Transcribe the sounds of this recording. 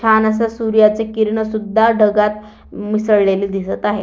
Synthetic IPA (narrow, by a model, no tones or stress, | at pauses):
anəs̬asuɾijat͡sekiɾɳəsud̪ʱːaɖʱəɡat̪ | misəɽɭeliːd̪isət̪aɦe